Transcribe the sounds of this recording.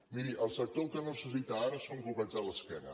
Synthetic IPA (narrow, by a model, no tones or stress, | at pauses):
miɾiʔəlˠsək̚t̪okənosəsit̪aaɾəsoŋɡluβad͡zələskɛnə̰